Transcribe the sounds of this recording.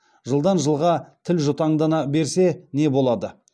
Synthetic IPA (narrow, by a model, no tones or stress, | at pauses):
ʒəlˠd̪ɑnʒəlˠʁɑt̪ʰɪlʒʊt̪ɑɴd̪ɑnɑbe̞ɾse̞ne̞bo̞lˠɑd̪ə